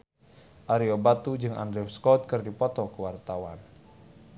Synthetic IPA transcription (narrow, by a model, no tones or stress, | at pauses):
ʔaɾiobat̪ud͡ʒɨŋa̰ndɾɛfskɔt̪̚kɨrdipɔt̪ɔkəwart̪awan